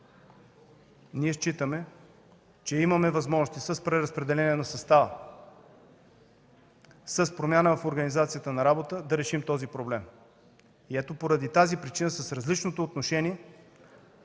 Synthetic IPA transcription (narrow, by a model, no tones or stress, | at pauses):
niɛʃt͡ʃit̪əmɛ | t͡ʃɛimɐmɛvɐzmɔʒnost̪isəspɾɛɾɐspɾɛd̪ɛlɛniɛnɐsɐst̪avə | səspɾomʲjanəvɐfoɾɡənizat̪sijət̪ənɐɾabot̪əd̪ɐɾɛʃimt̪ɔzipɾoblɛm | iɛt̪opoɾɐd̪it̪azipɾit͡ʃinəsəsɾɐzlit͡ʃnot̪oːt̪noʃɛniɛ